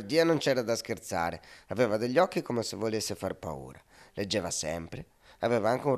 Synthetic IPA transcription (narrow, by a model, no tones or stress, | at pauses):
rd̪iːanont͡ʃɛːɾad̪ask̟ert̪sa̰ːɾeaveːvad̪eʎːɔk̟ːikomesevolesːefa̰rpa̰ṵːɾaled͡ʒːɛːvasɛ̰mpɾe | avɛːvaaŋk̟unr